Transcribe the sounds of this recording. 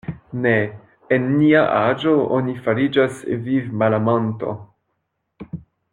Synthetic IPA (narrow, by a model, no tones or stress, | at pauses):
ne | enːiaʔad͡ʒoo̰nifaɾid͡ʒasvivmalamonto̞̰